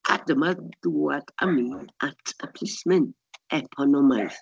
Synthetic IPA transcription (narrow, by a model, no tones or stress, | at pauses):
a̰dmaduada̰miatʰəpʰlɪsmɪn | ɛpʰɔnɔmajθ